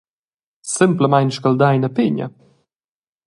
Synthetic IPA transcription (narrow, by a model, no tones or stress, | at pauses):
sɪmpləmajnʃkald̪ajnɐpɪɲɐ̰